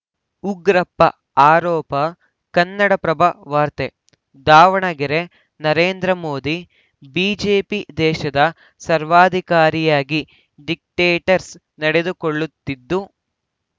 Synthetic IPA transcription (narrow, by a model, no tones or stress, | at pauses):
uɡɾɐpːɐ | aːɾɔːpɐ | kɐnːɐɽɐpɾɐbʱɐʋaːɾt̪e | d̪aːʋɐɳɐɡiɾe | nɐɾeːnd̪ɾɐmoːd̪i | biːd͡ʒeːpid̪ɛːʃɐd̪ɐ | sɐɾʋaːd̪ʱikaːɾijaːɡi | ɖik̚ʈeːʈɐɾs | nɐɽed̪ukoɭːut̪ːid̪ːu